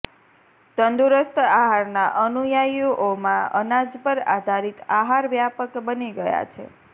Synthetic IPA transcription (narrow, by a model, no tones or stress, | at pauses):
t̪ənd̪uɾəst̪ʰaɦaɾnaʔənujajoʔomãə̰nad͡ʒpəɾad̪ʱaɾit̪aɦaɾʋjapəkbəniɡəja̰t͡ʃʰḛ